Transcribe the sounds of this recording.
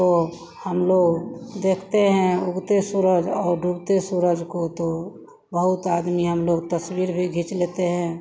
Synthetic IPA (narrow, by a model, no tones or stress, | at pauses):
o | həmloːɡd̪eːkʰt̪eɦɛ̃ʊɡt̪esʊɾəd͡ʒɔːɾɖʱubt̪esʊɾəd͡ʒkot̪o | bəɦʊt̪aːd̪miɦəmloːɡt̪əswiːɾbʱiɡʱit͡ʃleːt̪eɦɛ̃ː